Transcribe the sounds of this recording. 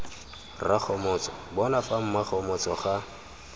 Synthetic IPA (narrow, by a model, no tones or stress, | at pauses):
raχɔmɔːt͡sɔbɔnafam̩maχɔmɔt͡sɔχa